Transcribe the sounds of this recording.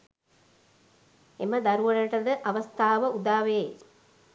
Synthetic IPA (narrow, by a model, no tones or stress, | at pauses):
eməd̪aɾuʋələʈəd̪əʔaʋɐst̪ʰaːʋəud̪aːʋe